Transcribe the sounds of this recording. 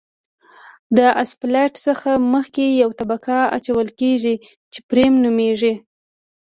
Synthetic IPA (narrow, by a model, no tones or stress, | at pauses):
d̪əʔasplaʈsəxaməxkejawt̪abakaa̰t͡ʃawəlkeʐi | t͡ʃepɾemnumeʐi